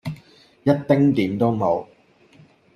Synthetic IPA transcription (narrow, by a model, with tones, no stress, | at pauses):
jɐ˥t̚t̪ɪ˥ŋt̪iː˨˥mt̪o˥wmo˨˧w